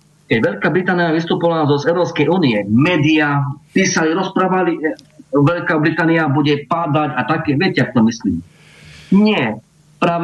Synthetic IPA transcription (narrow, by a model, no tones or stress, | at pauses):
kɛɟʋɛʎkaːbɾit̪aːnijaʋist̪upɔlazɔzɛʊɾɔːpskɛjuːniɛmɛːd̪iapiːsaliɾɔspɾaːʋaliʋɛʎkaːbɾit̪aːniabuɟɛpad̪aɟat̪akɛːʋɪɛcɛjakt̪ɔmislḭːm | ɲɪɛ | pɾaː